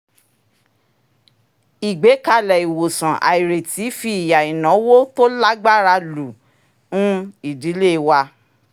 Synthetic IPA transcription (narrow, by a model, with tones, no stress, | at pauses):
i˨ɡ͡be˨˦ka˦˨lɛ˨i˨wo˨sã˨ʔa̰˨i˨ɾe˨ti˨˦fi˦i˨ja˨i˨nã˨˦wo˦to˦la˦ɡ͡ba˦ɾa˧lu˨ | nũ˦i˦˨di˨˦le˦˧wa˧